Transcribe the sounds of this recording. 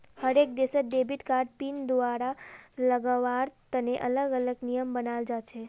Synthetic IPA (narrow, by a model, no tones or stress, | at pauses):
həɾek̚d̪esəɖ̪ebiʈkaɾɖ̚pind̪ʋaɾaləɡaʋaɾt̪əneʔələɡələɡnijəmbənald͡ʒat͡ʃʰe